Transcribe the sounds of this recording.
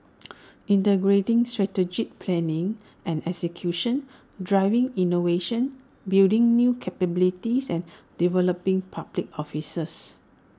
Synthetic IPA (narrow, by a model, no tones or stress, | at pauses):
ʔĩntəɡɹetĩŋstɹɛtəd͡ʒik̚pʰlɛ̃nɪ̃ŋ | ʔɛ̃nɛksəkʰjuʃə̃n | dɹaɪvɪ̃ŋinoveʃə̃n | bildĩŋnjukʰɛpəbilitisɛ̃nd̥ivɛləpĩŋpʰablik̚ɔfisəs